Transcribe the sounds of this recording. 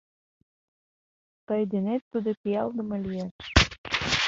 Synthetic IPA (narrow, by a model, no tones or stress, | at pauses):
t̪ɤjd̪enet̪ːud̪opʲijɑld̪ə̆mə̆lʲijæʃ